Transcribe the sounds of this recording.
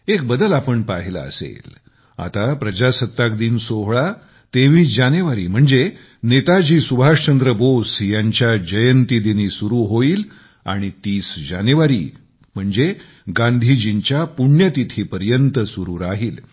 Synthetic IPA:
ek̚bəd̪əlapəɳpaɦila̰ə̰sḛl | a̰t̪apɾəd͡ʑasət̪ːak̚d̪iːnsoɦɭa | t̪eʋiːsd͡ʑaneʋaɾḭːm̤əɳd͡ze | net̪ad͡ʑiːsubʱaʂt͡ɕənd̪ɾəbosjaɲt͡ɕjad͡ʑəjənt̪id̪iniːsuɾuːɦoiːl | a̰ɽ̃it̪iːsd͡ʑanjuʋaɾḭː | m̤əɳd͡ze | ɡãnd̪ʱid͡ʑiɲt͡ɕjapuɳjət̪it̪ʰiːpəɾjənt̪əsuɾuːɾaɦiːl

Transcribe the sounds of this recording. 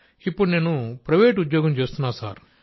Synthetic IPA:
ipːuɽune̞ːnupɾɐʋeːʈud̪jɔːɡɐmt͡ʃeːst̪unːaːsaːɾ

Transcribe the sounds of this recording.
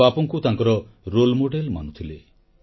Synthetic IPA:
apɔŋkut̪aŋkɔɾɔ | ɾolmoɖelma̰nut̪ʰile

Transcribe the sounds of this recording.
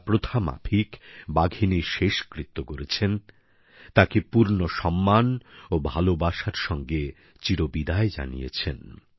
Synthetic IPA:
pɾot̪ʰama̰pʰikbaɡʱiniʃeʃkɾit̪ːokoɾet͡ɕʰen | t̪akepuɾnoʃɔmːanobʱalobaʃaɾʃɔŋɡe | t͡ɕiɾobid̪aed͡ʑa̰nijḛt͡ɕʰen

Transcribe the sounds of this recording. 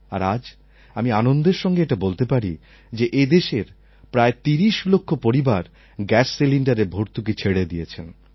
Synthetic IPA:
a̰ɾad͡ʑ | amianond̪eɾʃɔŋɡeeʈabolt̪epaɾi | d͡ʑeʔed̪eʃeɾ | pɾaet̪iɾiʃlokʰːopoɾibaɾ | ɡɛsːiliɳɖaɾebʱoɾt̪uk̬et͡ɕʰeɽed̪ijet͡ɕʰen

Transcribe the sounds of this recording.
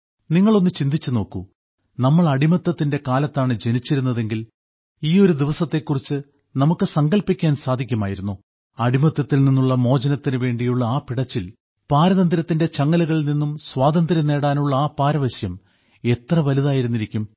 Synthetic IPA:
niŋːɐɭo̞nːɨt͡ɕind̪it͡ɕːɨno̞ːkːu | nɐmːɐɭɐɽimɐt̪ːɐt̪ːinde̞kaːlɐt̪ːaːɳɨd͡ʑe̞nit͡ɕːiɾunːɐðe̞ŋɡil | iːo̞ɾud̪iʋɐsɐt̪ːe̞kːurit͡ɕːɨ | nɐmukːɨsɐŋɡɐɭlpːikʲːaːnsaːd̪ʱikʲːumaːjiɾunːu | ɐɽimɐt̪ːɐt̪ːilninːuɭːɐmo̞ːd͡ʑɐnɐt̪ːinɨʋe̞ːɳɖijuɭːɐaːpiɽɐt͡ɕːil | paːɾɐðɐnd̪ɾɐt̪ːinde̞t͡ɕɐŋːɐlɐɣɐɭninːumswaːd̪ɐnd̪ɾine̞ːɽaːnuɭːɐaːpaːɾɐʋɐɕjɐm | e̞t̪rɐʋɐliðaːjiɾunːiɾikʲːum

